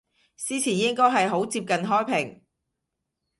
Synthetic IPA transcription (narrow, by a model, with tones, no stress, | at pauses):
t͡siː˥t͡sʰiː˨˩njɪ˥ŋkɔː˥jɦɐ˨jɦo˨˥wt͡siː˧p̚kɐ˨nɦɔː˥jpʰɪ˨˩ŋ